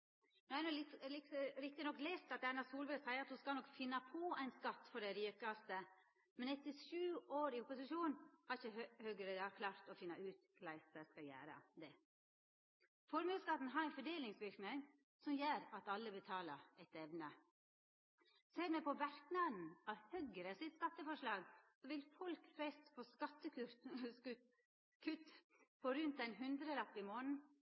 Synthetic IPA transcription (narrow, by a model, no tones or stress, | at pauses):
nɔhæɪnɔɪlɪkɾɪk̚t̪ɪnɔkːleːst̪ɑt̪æɪnɑsuːlʋəsæɪəɾɑt̪huskɑlnɔkfɪnːɑpʰɔæɪnskɑt̪ːfɔɖɛɾiːkɑst̪ə | mɛnɛt̪ːəʂʉːoːɾɪʊpʊsɪʃuːnhɑɾɪçəhøːɡəɾed̪ɑkʰlɑːɾt̪ɔfɪnːɑʉːt̪kʰlæɪstəskɑjæ̰ːɾə̰d̪ɛ | fɔɾməskɑt̪n̩ɦɑɾæɪnfɔɖeːlɪŋsʋɪɾknɪŋ | sɔmjøːɾɑt̪ɑlːəbət̪ʰɑːləɛt̪ɛʋnə | seːɾmɛpʰɔʋæɾknɑnn̩ɑʋhœɡəɾəsɪt̪skɑt̪ːəfɔʂlɑːɡsɔʋɪlfɔlkfɾɛst̪fʰɔskɑt̪ːəʉ | kʰʉt̪ːpʰɔɾʉnt̪æɪnɦʉnd̪ɾəlɑpːɪmoːnn̩